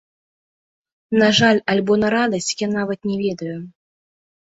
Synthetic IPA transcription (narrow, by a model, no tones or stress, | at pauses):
naʐalʲalʲbɔnɐɾad̪ɐsʲt͡sʲjanavɐt̪̚nʲɛvʲɛd̪ɐju